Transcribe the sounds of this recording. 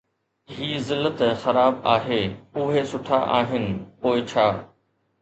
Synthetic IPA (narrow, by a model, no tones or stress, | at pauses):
ɦiːzɪlːət̪xɐɾaːbaːɦeːʊɦesʊʈʰaʔaːɦɪnɪ̆poːɪt͡ɕʰaː